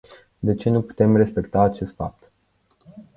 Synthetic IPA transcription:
d̪e̞t͡ʃe̞nupu̥t̪e̞mre̞spe̞kt̪aːt͡ʃe̞st̪fa̰p̚t̪

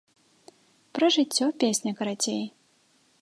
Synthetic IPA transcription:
pɾɐʐɨt͡sʲːɔpʲesʲnʲɐkɐɾat͡sʲej

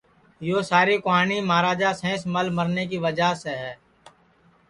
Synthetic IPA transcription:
joːsaːɾikoɦaːnimaːɾaːd͡ʒasɛ̃ːsməlmɐɾnek̬iʋɐd͡ʒaseɦɛː

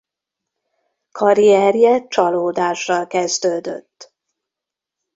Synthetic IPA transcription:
kʰɒɾijɛrjɛt͡ʃɒloːd̪aːʃrɒlkɛzd̪øːd̪ø̰t̪ː

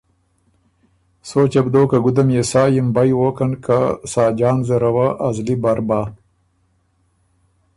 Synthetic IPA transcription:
soːt͡ʃɐbd̪oːkaɡud̪ɐmjesaːjimbajwokɐnkasaːd͡ʒaːnzɐɾɐwaʔazlibaɾbaː

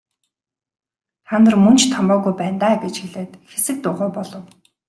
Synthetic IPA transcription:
χanə̆rmɵn̥t͡ɕt̪ʰɔmpɔːɣujpæːnt̪aːɡet͡ɕxiɮeːt̪xesɘ̆k̚t̪ʊːʁʊːpɔɮɞ̆w

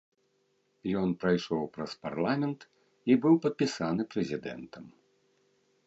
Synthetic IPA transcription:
jɔnpɾajʂɔwpɾɐspa̰rlˠamʲɛnt̪ | ibɨwpɐt̪̚pʲisanɨpɾɛzʲid̪ɛ̰nt̪ʰɐm

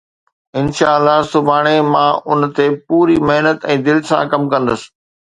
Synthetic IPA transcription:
ɪnʃaːəlːasʊbʱaːɽ̃emãʔʊnt̪epuːɾimeɦnət̪ɛ̃ːd̪ɪlsãkɐmkɐ̃nd̪əsɪ̥̆

